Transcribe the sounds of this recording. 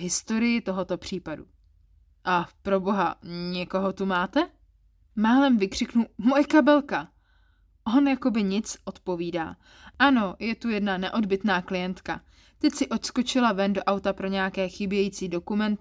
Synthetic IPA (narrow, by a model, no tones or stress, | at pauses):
ɦɪst̪o̞ɾɪjɪt̪o̞ɦo̞t̪o̞pr̝̥iːpadṵ | ʔapɾo̞bo̞ɦa̰ɲɛko̞ɦo̞t̪umaːt̪ɛ | maːlɛmvɪkr̥ɪknumojɛkabɛlka | ʔo̞njako̞bɪɲɪt͡sʔo̞t̪po̞viːda̰ː | ʔano̞jɛt̪ujɛdnanɛʔo̞dbɪt̪naːklɪjɛnt̪ka̰ | t̪ɛcsɪʔo̞t̪sko̞t͡ʃɪlavɛndoʔawt̪apɾo̞ɲɛjakɛːxɪbjɛjit͡siːdo̞kumɛnt̪ɪ